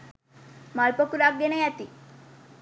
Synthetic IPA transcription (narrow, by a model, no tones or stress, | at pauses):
maɭpəkuɾak̚ɡenajat̪i